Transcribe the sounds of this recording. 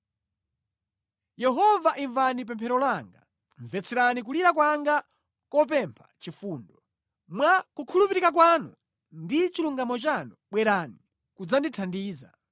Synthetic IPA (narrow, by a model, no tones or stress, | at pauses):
jɛɦɔvaʔiɱvanip̬ɛmpʰɛɾɔlaːŋɡa | ɱvɛt͡sʰɛɾanik̬uliɾak̬waŋɡa | kɔp̬ɛmpʰat͡ʃifuːndɔ | mwakukʰulupiɾikak̬wanɔ | ndit͡ʃiluŋɡamɔt͡ʃanɔɓwɛɾani | kud͡zanditʰandiːza̰